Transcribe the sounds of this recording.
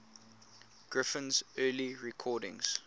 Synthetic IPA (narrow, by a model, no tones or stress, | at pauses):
ɡ̥ɹɪfə̃nzɜːliɹɛkʰɔːdɪ̰̃ŋz̥